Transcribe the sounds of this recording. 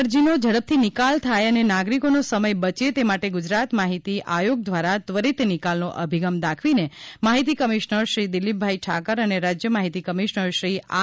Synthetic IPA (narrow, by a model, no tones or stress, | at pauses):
ɾd͡ʒinod͡ʒəɽəp̚t̪ʰinɪkalt̪ʰajənenaɡɾikonosəməjbət͡ʃet̪emaʈeɡʊd͡ʒɾat̪maɦit̪iʔajoɡ̚d̪ʋaɾat̪ʋəɾit̪enɪkalnoʔə̰bʱiɡəmd̪akʰʋinemaɦit̪ikəmiʃnəɾʃɾid̪ɪlib̚bʱaiʈʰakəɾəneɾad͡ʒjəmaɦit̪ikəmiʃnəɾʃɾia